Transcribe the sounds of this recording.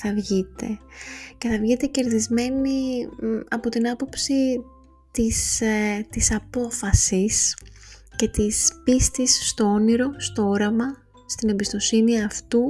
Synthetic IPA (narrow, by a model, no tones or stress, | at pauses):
θɐvʝit̪e̞ce̞θɐvʝit̪e̞ce̞ɾðizme̞ni | ɐpo̞t̪inɐpo̞psi | t̪ist̪isɐpo̞fɐsis | ce̞t̪ispist̪isːt̪o̞o̞niɾo̞st̪o̞o̞ɾɐmɐ | st̪inembist̪o̞siniɐft̪u